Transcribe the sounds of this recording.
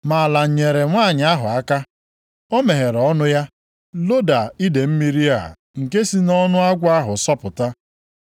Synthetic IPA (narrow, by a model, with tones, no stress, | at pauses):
ma˨a˨la˨ɲe˨ɾe˨ŋʷaː˦˨ɲɪ˨a˦ɦʊ˨a˦ka˦ | o˦me˨ɦe˨ɾɔ˦nʊ˦ja˦ | lo˦da˨i˦de˨m̩˦mi˦ɾi˦a̰˦˨ | ŋ̩˨ke˦si˦nɔ˦nʊ˦a˦ɡʷa˦ɦʊ˨sɔ˦pʊ˨ta˦